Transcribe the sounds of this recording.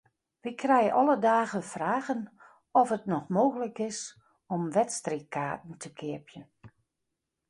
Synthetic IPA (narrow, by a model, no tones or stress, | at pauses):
ʋikʰrɛjəʔɔlədaːɣəfraːɣən | ɔfətnɔxmoːɣələkɪs | ɔmʋɛtstrikʰaːt̚n̩tʰəkʰɪəpʰjən